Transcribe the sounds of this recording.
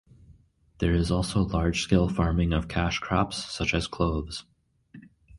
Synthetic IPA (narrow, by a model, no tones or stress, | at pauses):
ðə˞ɪzɔlˠsoʊlɑɹd̥ʒ̥skeɪlˠfɑɹmɪ̃ŋʌv̥kʰæʃkʰɹ̥ɑ̰psːʌt͡ʃɨz̥kʰl̥oʊvz̥